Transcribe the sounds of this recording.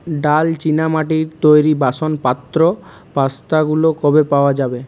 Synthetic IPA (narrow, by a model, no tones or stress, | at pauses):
ɖalt͡ɕinamaʈiɾt̪ojɾibaʃonpat̪ːɾo | past̪aɡulokɔbepaoad͡ʑabe